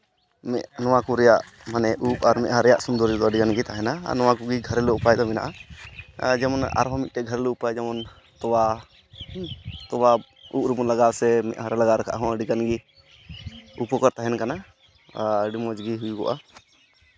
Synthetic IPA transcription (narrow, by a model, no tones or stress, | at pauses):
mɛ̰ʔnɔwakuɾɛjaʔ | manɛʔupaɾmɛʔɦaɾɛjaʔsund̪ɔɾd͡ʒɔd̪ɔəɖiɡanɡit̪aɦɛna̰nɔwakuɡiɡʱəɾɛlɔupajd̪ɔmɛna̰ʔa | d͡ʒɛmɔna̰ɾɦɔ̃mit̪̚ʈɛɡʱəɾɛlɔupajd͡ʒɛmɔn | t̪ɔwa | t̪ɔba | uʔ̚ɾumɔnlaɡawsɛmɛ̰ʔɦaɾɛlaɡaɾɛkʰa̰ʔɦɔ̃əɖiɡanɡi | upɔkɔɾt̪aɦɛnkana | ɖimɔd͡ʒɡiɦujuɡɔ̰ʔa̰